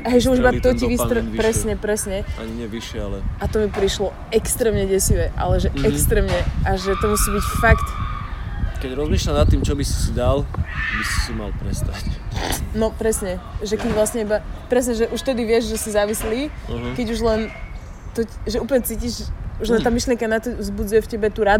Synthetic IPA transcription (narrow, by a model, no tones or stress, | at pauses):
ɦɛjʒɛuʒibat̪ɔciʋist̪ɾpɾɛsɲɛpɾɛsɲɛa̰ɲiɲɛʋiʃɪɛalɛat̪ɔmipɾiʃlɔ | ɛkst̪ɾɛːmɲɛɟɛsiʋɛʔa̰lɛʒɛɛkst̪ɾɛːmɲɛʔaʒɛt̪ɔmusiːbicfakt̪ | kɛɟɾɔzmiːʃlʎanat̪ːiːmt͡ʃɔbisi̥sid̪albisi̥sima̰lpɾɛ̰st̪acnɔpɾɛsɲɛʒɛkɛɟʋlasɲɛibapɾɛsɲɛʒɛʔuʃt̪ɛd̪iʋɪɛʒʒɛsizaʋisliːɦkɛɟuʒlɛn | t̪ɔʒɛuːpl̩ɲɛt͡siːciʒuʒlɛnt̪aːmiʃliɛŋkanat̪ɔvzbud͡zujɛfcɛbɛt̪uːɾad̪